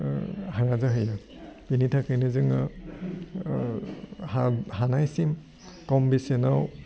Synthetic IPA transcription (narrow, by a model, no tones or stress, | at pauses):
haɹazaɦɯja | pinitʰakɯjnɯzɯŋa | hahanajsim | kɔmbisenaw